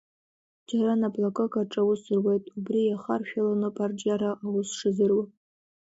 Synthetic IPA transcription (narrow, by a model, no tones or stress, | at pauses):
d͡ʒaɾanablakʼokʼaʈ͡ʂʼawʊsɨrwejtʼubrijaχa̰rʃᶣalanɨpʼard͡ʒaɾaʔawʊsʂɨzɨrwa